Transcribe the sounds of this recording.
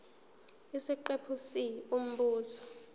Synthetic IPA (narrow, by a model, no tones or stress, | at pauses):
isiǃepʰusium̩ɓuːzɔ̥